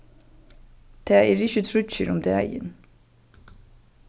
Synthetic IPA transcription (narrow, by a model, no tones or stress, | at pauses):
d̪̥ʰeːeːɾɪçət̪ʰɾʉçəɾʊmd̪ḛːæ̰ɪɪ̰n